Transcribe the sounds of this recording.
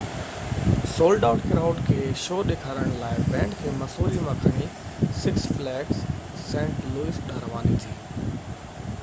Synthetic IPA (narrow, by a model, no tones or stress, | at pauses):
soːlɖaːʊʈkɾaːʊɖkʰeːʃoːɗeːkʰaːɾəɽ̃laːɪbɛ̃ːɳɖkʰeːmɐsoːɾiʋɐkʰəɽ̃isɪksflɛːksː | ɛ̃ːɳʈluːɪsɗəɾʋaːnit̪ʰiː